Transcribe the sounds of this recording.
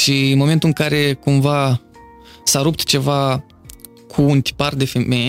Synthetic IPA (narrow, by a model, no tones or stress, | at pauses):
ʃiɨnmo̞me̞nt̪ulɨŋkaɾe̞kumva | saɾupt̪t͡ʃe̞va | kʰuːnt̪i̥pard̪e̞fe̞me̞j